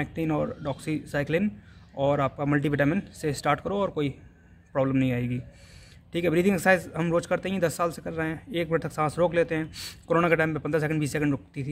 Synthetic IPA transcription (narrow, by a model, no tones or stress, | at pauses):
mɛːk̚ʈinɔːɾɖɔːksisaːɪklɪnɔːɾaːp̚kamɐlʈ̬iʋeːʈaːmɪnsesʈaːɾʈkəɾoɔːɾkoːi | pɾɔːbləmnɐɦĩaːeːɡiː | ʈʰiːkɛɛbɾit̪ʰɪ̃ŋeksaːɪzɦɐmɾoːt͡ʃkɐɾt̪eɦɛɛ̃d̪ɐsːaːlsekɐɾːɐɦeɦɛ̃ːeːkmɪnəʈ̚t̪ɐksãːsɾoːkleːt̪eɦɛ̃ːkoɾoːnakeʈaːɪmpẽpɐ̃nd̪ɾas̬ɛkəɳɖbiːs̬ːɛːkə̃ɳɖɾoːkt̪it̪ʰi